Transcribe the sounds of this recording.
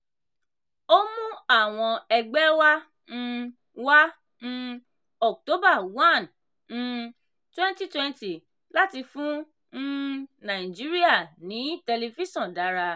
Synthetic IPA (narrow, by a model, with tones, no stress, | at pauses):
o˦mũ˦a˦˨w̃ɔ̃˧ɛ˧ɡ͡bɛ˦wa˦ | ñ̩˦ | wã˦ | ɔ˨k̚to˦ba˦˨wã˦˨n̩˦˧ | twɛ̃˦nti˦˨twɛ̃˦n˦ti˨ | la˦ti˧fũ˦ | nã˨ĩ˨d͡ʒi˨˦ɾi˦a˦˨nĩ˨˦tɛ˧li˧fi˦ʃɔ̃˨da˨˦ɾa˧